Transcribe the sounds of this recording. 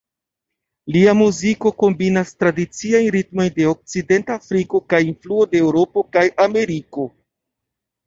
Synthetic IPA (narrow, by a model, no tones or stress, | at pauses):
liamuziko̞ko̞mbinastɾadit͡siajnɾitmo̞jnde̞o̞k̚t͡side̞ntaːfɾiko̞kajinfluodeːwɾo̞po̞kajʔame̞ɾiko̞